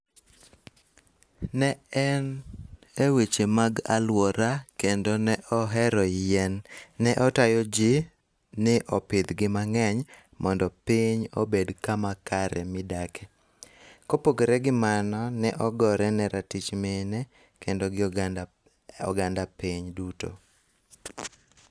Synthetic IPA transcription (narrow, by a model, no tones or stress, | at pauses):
nɛɛn | ewit͡ʃemaɡa̰lwɔɾakendonɛʔɔɦɛɾɔjɛnːɛʔɔtajɔd͡ʒi | nɪʔɔpɪd̪ɡɪmaŋɛɲ | mʔɔndɔpɪɲo̰bedkamakaɾɛmɪdakʰe̥ | kopokeɾɛɡɪmanɔnɛʔɔɡɔɾɛnɛɾʔatit͡ʃmenɛ | kendoɡɪ | ɔ̰ɡandapiɲduto̰